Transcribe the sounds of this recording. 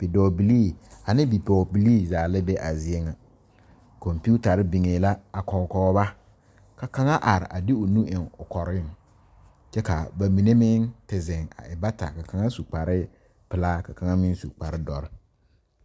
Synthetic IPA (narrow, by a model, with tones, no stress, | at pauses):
b̥i˨dɔː˨bi˨li˦˨a˨nɪ˦bi˨pɔ˨bi˨liː˦zaː˨lɪ˦be˦ʔa˨zi˨e˦ŋa˨ | kɔ˨mpu˦ta˨ɾɪ˦bi˨ŋeː˨la˦a˨kɔ˨ŋ˨kɔ˨˦ba˦ | ka˨ka˦ŋa˦ʔa˨ɾɪ̰˨ʔa˨dɪ˦ʊ˨nũ˦ɪ˨ŋʊ˨kɔ˨ɾɪ˦ŋ | t͡ʃɛ˦ka˨ba˨mi˨ne˦mɪ˦ŋtɪ˨zɪ˨ŋa̰˨ɪ˨ba˦ta̰˨ka˨ka˦ŋa˦su˨k͡pa˨ɾɪ˦ | pɪ˨laː˦ka˨ka˦ŋa˦mɪ˦n˦su˨k͡pa˨ɾɪ˦dɔ˨ɾɪ˦